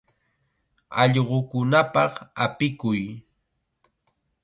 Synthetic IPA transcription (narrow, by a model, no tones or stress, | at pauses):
ɑ̰ʎɢokʊnapɑχapɪkʊj